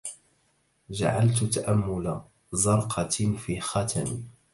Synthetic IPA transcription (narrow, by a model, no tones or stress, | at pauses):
d͡ʒa̰ʕalt̪t̪aʔamːʊla | zɑɾˤqʰɑfiːxɑt̪ʰami